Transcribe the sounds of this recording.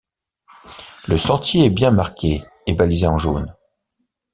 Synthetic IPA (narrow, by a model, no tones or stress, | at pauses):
ləsɑ̃t̪jeɛbjɛ̃maʁkʲʰe | ebalizeɑ̃ʒon